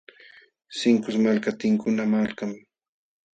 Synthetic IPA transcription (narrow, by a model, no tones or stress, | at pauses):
sɪŋkʊsmalkat̪ɪŋkʊnamalkam